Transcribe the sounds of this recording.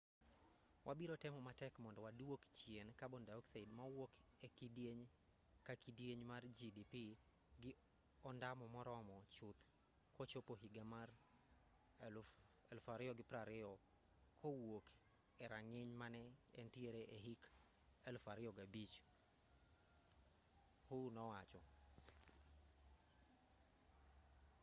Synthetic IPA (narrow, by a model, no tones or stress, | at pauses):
wʔabiɾotɛmɔmatɛkmɔndɔwadwokt͡ʃjenkabɔndaɔksaidmawokɛkideɲ | kakidjeɲmard͡ʒidipi | ɡɪ | ɔndamɔmɔɾɔmɔt͡ʃʊt̪ | kɔt͡ʃopoɦiɡamar | ɛlfaɾɪɔɡɪpɾaɾɪɔ | kʰowok | ɛɾaŋɪɲmanɛɛntieɾeʔeɦik | ɛlfaɾɪɔɡabit͡ʃ | hʊnɔwat͡ʃɔ